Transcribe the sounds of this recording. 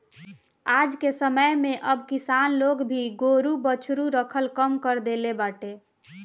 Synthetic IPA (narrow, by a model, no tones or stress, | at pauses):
ad͡ʒkesəməjmeʔəbkisanloɡbʱiɡoɾubət͡ʃʰɾuɾəkʰəlkəmkəɾd̪elebaʈe